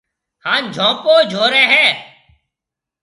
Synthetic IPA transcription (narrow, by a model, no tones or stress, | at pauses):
hãːnd͡ʒʱõːpoːd͡ʒʱoːɾɛ̃ːɦɛː